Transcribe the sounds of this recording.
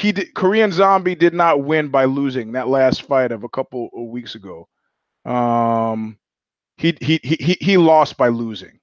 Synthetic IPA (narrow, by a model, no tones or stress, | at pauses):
hidkʰə˞iɨ̃nzɑ̃mbidɨdⁿnət̚wɪ̃nbaɪluzɪ̃ŋðətˡlæstfaɪɾʌvəkʰʌpl̩ˠwiksɨɡoʊ | ʔʌ̃m | hiiiɦiilɔst̚b̥aɪluzɪ̰̃ŋ